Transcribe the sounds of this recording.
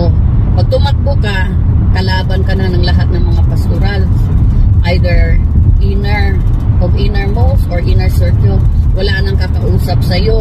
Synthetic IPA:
o | pɐɡ̚t̪ʊmɐt̪̚bʊka | kɐlaːbɐnkɐnanɐŋlɐɦat̪̚nɐŋmɐŋapɐst̪ʊɾalsʔajd̪ɛɹʔinɛɹ | ʔoɡʔinɛɹmosʔoɹʔinɛɹsɛɹkjowɐlaʔnɐŋkɐkɐʔuːsɐp̚sɐjo̞

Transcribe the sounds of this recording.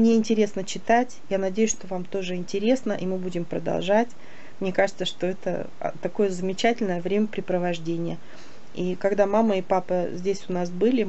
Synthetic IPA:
mnʲeɪnʲtʲɪɾʲe̞snət͡ɕɪt̪atʲjanɐdʲejʊsʂt̪o̞vamt̪o̞ʐɨɪnʲtʲɪɾʲe̞snəʔimɨbudʲɪmpɾəd̪ɐ̰lˠʐatʲ | mnʲe̞kaʐɨt̪səʂt̪o̞ɛt̪ə̰ | t̪ɐko̞jəzəmʲɪt͡ɕætʲɪlʲnəjəvɾʲemʲəpɾʲɪpɾəvɐʐdʲenʲɪjə | ikɐɡd̪amamːəipapəzʲdʲesʲʊnasbɨlʲɪ

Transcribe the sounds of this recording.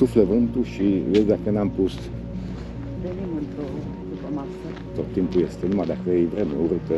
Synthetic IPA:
sufləvɨnt̪uʃivesʲd̪akənampus | ɾenimɨnt̪ɾo | d̪upəmasə | t̪ot̪ːimpujest̪enumad̪akəejvɾemeuɾɨt̪ə

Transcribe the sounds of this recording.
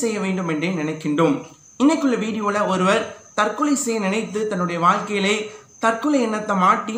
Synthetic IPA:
sɛjːɐʋeːɳɖɯmɛndrenɪnɐɪkːɪɳɖom | ɪnːɐɪkːɯɭːɐʋiːɽɪjoːɭɐɔɾɯʋɐɾt̪ɐrkɯlɐɪsɛjɐnɪnɐɪt̪ːɯt̪ɐnːɯɽɐjɐʋaːɻkɐjɪlɐɪ | t̪ɐrkɯɭɐɪɛnːɐt̪ːɐmaːʈːɪ

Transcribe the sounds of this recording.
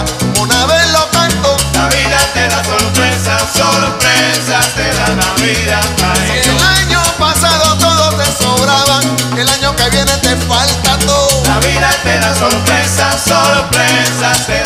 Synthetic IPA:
onaβelo̞kant̪olaβiðat̪eðasoɾpɾesasoɾpɾensat̪eðanaβiðaaelaɲopasaðo̞t̪oðosesoβɾaβaŋ | elaɲo̞keβje̞net̪efalt̪at̪oðolaβiðat̪eðasoɾpɾesasopɾesae

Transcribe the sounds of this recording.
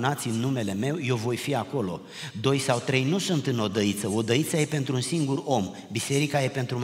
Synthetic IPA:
nat̪sʲɨnːume̞le̞me̞wje̞wvo̞jfiako̞lo̞̰ | d̪o̞jsawt̪ɾe̞jnusunt̪ɨno̞d̪əit̪səo̞d̪əit̪saje̞pe̞nt̪ɾuunsiŋɡuro̞m | bise̞ɾikaje̞pe̞nt̪ɾum

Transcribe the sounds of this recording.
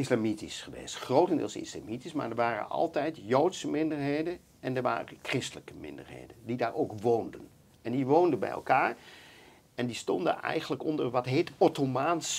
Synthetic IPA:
ɪslamitisχəʋḛjstχrowtəndɪ̰ːlˠsɪ̰sla̰mitisma̰ːɹdəɹʋaːrə̰nɑ̰lˠtɛjtjowtsəmɪndəɹɦejdən | ɛndəɹʋa̰ːrəkrɪstələkəmɪ̰ndə̰ɹɦḛjdəndidaːɹʔowkʋowndən | ɛndiʋowndənbɛ̰jɛ̰lˠkaːɹ | ɛndistɔndə̰nɛ̰jχənləkɔndəɹʋɑtɦejtɔtomaːns

